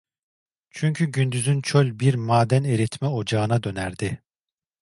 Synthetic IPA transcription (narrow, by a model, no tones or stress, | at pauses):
t͡ʃʰyɲcʰyɟynd̪yzynt͡ʃʰølʲbiɾmaːd̪æneɾɛt̪mɛod͡ʒaɯnad̪ø̞næɾd̪ɪ